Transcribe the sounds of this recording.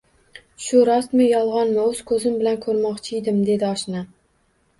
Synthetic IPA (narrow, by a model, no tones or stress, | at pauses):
ʃʊɾɒst̪mɪjɒlˠʁɒnmɪɵz̥kʰɵzɪmbɪlankʰɵɾmɒqt͡ʃʰɪjd̪ɪmd̪e̞d̪ɪɒʃnɪ